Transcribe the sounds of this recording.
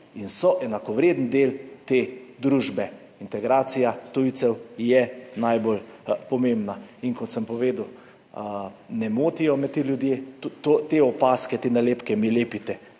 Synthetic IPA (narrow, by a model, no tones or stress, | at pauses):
insɔʔɛnakɔʋɾeːd̪nd̪eːlt̪eːd̪ɾuːʒbɛ | int̪ɛɡɾaːt̪sijat̪ujt̪sɛwjɛnajbolpɔmembnainkɔt̪səmpɔʋeːd̪uw | nɛmoːt̪ijɔmɛt̪eljud̪jetut̪ot̪eɔpaːskɛt̪enaleːpkɛmileːpit̪ɛ